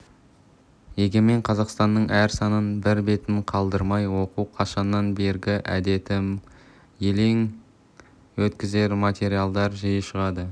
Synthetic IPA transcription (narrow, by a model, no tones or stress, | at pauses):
je̞ɡʲeme̞ɴqʰɑzɑqst̪ɑnːəɴʔæɾsɑnənbɪɾbe̞t̪ɪnqʰɑlˠd̪əɾmɑjwo̞quwqʰɑʃɑnːɑnbe̞ɾɡʲɪʔæ̰d̪e̞t̪ɪm | je̞le̞ŋ | wɵt̪kʲɪze̞ɾmat̪ʲe̞ɾijalˠd̪ɑɾʒɑjəʃəʁɑd̪ə